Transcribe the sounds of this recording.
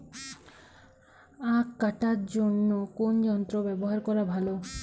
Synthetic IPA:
aːaʈaɾd͡ʒonːokond͡ʒɔnt̪ɾobɛbɔɦaɾkɔɾabʱalo

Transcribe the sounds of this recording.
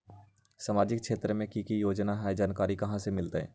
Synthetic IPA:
samaːd͡ʒɪkʃeːt̪ɾəmẽkikijoːd͡ʒnaɦaːed͡ʒaːnkaːɾikɐɦãsemɪlt̪aɦɛ̰ː

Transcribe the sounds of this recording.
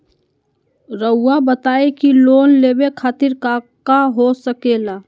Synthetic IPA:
ɾəʊːabət̪aːekiloːnleːbekʰaːt̪ɪɾkakaɦosəkeːlaː

